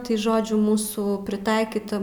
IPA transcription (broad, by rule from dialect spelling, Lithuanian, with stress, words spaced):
tɐɪ ˈʒoːd͡ʒʲʊ ˈmuːsuː pʲrʲɪˈtɐɪkʲiːtɐ